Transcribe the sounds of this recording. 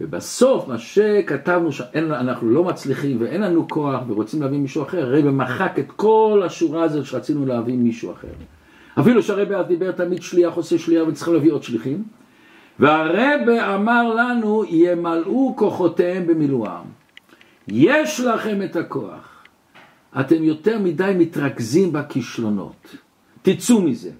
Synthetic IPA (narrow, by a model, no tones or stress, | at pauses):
vebaso̞fmaʃekatavnuʃeʔenanaχnulo̞mat͡sliχimveʔenlanukʰo̞aχveʁot͡simleavimiʃuaχe̞ʁːebemaχake̞t̪ko̞laʃuʁaazo̞tʃeʁat͡sinuleavimiʃua̰χe̞̰ʁ | afiluʃeaʁebeazd̪ibeʁt̪amid̪ʃliaχoseʃliavet͡si̥ileavio̞d̪ʃliχim | veaʁebeamaʁlanujemaluko̞χo̞tehembemilua̰m | jeʃlaχe̞met̪ako̞̰a̰χ | at̪e̞mjo̞t̪e̞ʁmidajmit̪ʁaɡzimbakiʃlo̞no̰tː | it͡sumize̞̰